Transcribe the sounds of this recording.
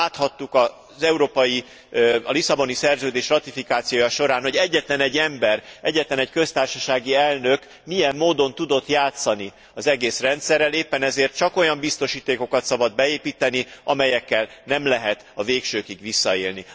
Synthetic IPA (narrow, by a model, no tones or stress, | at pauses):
aːt̪hɒt̪ːukɒ | zɛuɾoːpɒji | ɒlisɒbo̞nisɛrzøːd̪eːʃrɒt̪ifikaːt̪sijoːjɒʃo̞ɾaːnho̞ɟɛɟːɛt̪lɛnɛɟːɛmbɛrɛ̰ɟːɛt̪lɛnɛckø̞st̪aːrʃɒʃaːɡiɛlnøk | mijɛmːoːd̪o̞nt̪ud̪o̞t̪jaːt̪sɒni | ɒzɛɡeːsrɛnt̪sɛrːɛleːpːɛnɛzeːrt̪̚t͡ʃɒko̞jɒmbist̪o̞ʃiːt̪eːko̞kɒt̪sɒbɒd̪̚bɛeːpiːt̪ɛniʔɒmɛjɛkːɛlnɛmlɛɦɛt̪ɒveːkʃøːkiɡʋisːɒeːlni